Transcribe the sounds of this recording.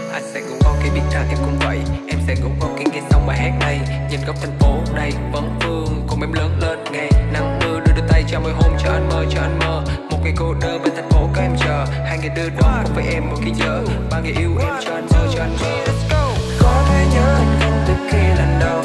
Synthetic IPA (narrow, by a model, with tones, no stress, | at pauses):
ʔa˧jŋ̟sɛ̰˧˥kʊ̰˧˥ŋ͡mkɔ˨˧˦ki˨˧˦ɓḭ˧˥t̚k̪aː˧˩t̪ʰi˧˩wŋ͡mkʊ̰˧˥ŋ͡mvə̰˧˨jʔɛ˧msɛ̰˧˥kʊ̰˧˥ŋ͡mkɔ˨˧˦ki˨˦ŋa˨˧˩sa˧wŋ͡mɓaː˨˩jɦɛ˦˥k̚na˧˩jɲə̰˨˩nɣə˨˩w̚t̪ʰa˨˩jŋfo˨˧˦ɗə˧jvə̰˧˨˦nfɨ˧əŋkʊ˨˩ŋ͡mʔɛ˧mləː˧˦nləː˧˥nŋa˧˩jna˧˩mɗɨ˧əɗɨ˧ɗɨ˧ət̪a˧˩jt͡ɕɔ˧məː˨˩˨jɦo˧mt͡ɕɔ˧ʔa˧jŋ̟məː˨˩t͡ɕɔ˧ʔa˧jŋ̟məː˨˩mo˨˩t̚ŋa˨˩jko˧˩ɗəː˧ɓaː˨˩t̪ʰŋfo˨˦kɔː˨˧ʔɛ˧mt͡ɕəː˧˩ | haː˧jŋɨː˨˩jɗɨ˧əɗɔ˨˦a˨˧˥k̚vəː˨˦jʔɛ˧mːo˨˩t̚kiː˨˧˦zəː˧˩ɓaː˧ŋɨ˨˩jʔi˧wʔɛ˧mt͡ɕɔ˧ʔa˧nzəː˧˩t͡ɕɔ˧ʔa˧jŋ̟i˧˨˩skə˧xɔ˨˧˦t̪ʰɛ˧˩ɲəː˧˦nt̪ɨ˨˧˩kki˧lə˨˩nɗə˨˩w